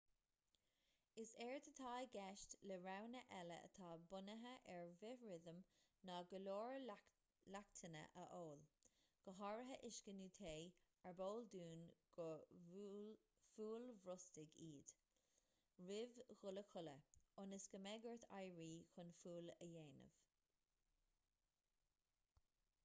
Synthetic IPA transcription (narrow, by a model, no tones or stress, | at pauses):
ɪsɛɹt̪ʰət̪ʰajɡɛʃtləɹawnəʔɛlə̰ʔə̰t̪ʰɑːbʊnəɦəʔɛɹvɪɹɪðəmnɑːɡəloːɹ | lakt̪ʰənə̰ʔə̰ʔoːl | ɡ̥əɦɑɹəɦəʔɪʃkənuːt̪ʰeː | əɹboːld̪uːnɡ̥ə | fuːlvɾʊstɪɡiːd̪̥ | ɹɪvɣʊləkʰʊləʊnəsɡ̥əmɛɡəɹt̪ʰa̰jɹiːxʊnfuːləjeːnə̰v̥